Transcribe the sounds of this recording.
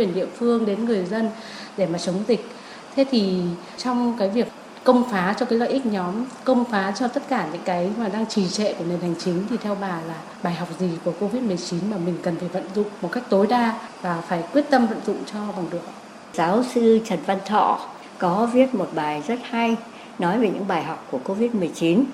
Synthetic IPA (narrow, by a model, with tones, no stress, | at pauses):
kwi˨˩ənɗḭ˧˨əfɨ˧əŋɗe˨˦nŋɨ˨˩əjzə˧n | ɗe˧˩maː˨˩t͡ɕə˨˦wŋ͡mzï˨˩k̟̚ | t̪ʰe˨˦t̪ʰi˨˩ | t͡ɕɔ˧wŋ͡mkaː˨˦jvi˨˩əkː | ə˧wŋ͡mfaː˨˦t͡ɕɔ˧kaː˨˦za̰ː˧˨ʔï˦˥k̚ɲɔ˨˦mkə˧wŋ͡mfaː˨˦t͡ɕɔ˧t̪ə˦˥t̚kaː˧˩ɲɨ̰˧˥ŋkaː˨˦jmaː˨˩ɗaː˧ŋt͡ɕi˧˩t͡ɕɛ̰˧˨ku˧˩əne˨˩nha˨˩jŋ̟t͡ɕï˨˦ŋ̟t̪ʰi˨˩t̪ʰɛ˧wɓaː˨˩laː˨˩ | ɓaː˨˩jɦɔ˨˩wk͡p̚zi˨˩ku˧˩əko˧vi˦˥t̚mɨ˨˩əjt͡ɕi˨˦nmaː˨˩mï˨˩ŋ̟kə˨˩nt̪ʰe˧˩və̰˧˨nzʊ̰˧˨ŋ͡mmːo˨˩t̚ka˦˥jk̚t̪o˨˦jɗaː˧vaː˨˩faː˧˩jkwi˦˥ət̚t̪ə˧mvə̰˧˨nzʊ̰˧˨ŋ͡mt͡ɕɔ˧ɓa˨˩ŋɗɨ˨˩ək̚ | zaː˨˦wsɨ˧t͡ɕə˨˩nva˧nt̪ʰɔ̰˧˨ | kɔ˨˦vi˦˥ət̚mo˨˩t̚ɓaː˨˩jzə˦˥t̚ha˧j | nɔ˨˦jve˨˩ɲɨ̰˧˥ŋɓaː˨˩jɦɔ˨˩wk͡p̚kːu˧˩əko˧vi˦˥t̚mɨ˨˩əjt͡ɕi˨˦n